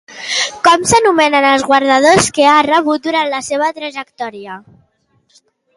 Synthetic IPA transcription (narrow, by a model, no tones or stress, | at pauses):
kɔmsənumɛnənəlˠzɣwaɾðað̞oskearəβut̪̚d̪uɾant̪ləseβ̞ət̪ɾəʒək̚t̪ɔɾiə